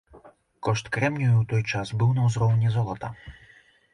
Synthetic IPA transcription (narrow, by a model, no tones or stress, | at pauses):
kɔʂt̪kɾɛmnʲujuwt̪ɔjt͡ʂasbɨwnɐwzrɔwnʲizɔlˠɐt̪ɐ̰